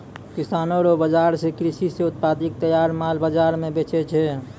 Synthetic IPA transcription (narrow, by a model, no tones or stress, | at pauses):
kisanoɾobəd͡ʒaɾsekɾisiseʊt̪̚pad̪ik̚t̪əjaɾmalbəd͡ʒaɾmebet͡ʃɛt͡ʃʰɛ